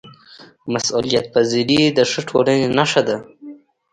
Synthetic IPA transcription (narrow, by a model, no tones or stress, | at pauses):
masulijat̪̚paziɾid̪əʂəʈʰolanenaʂad̪a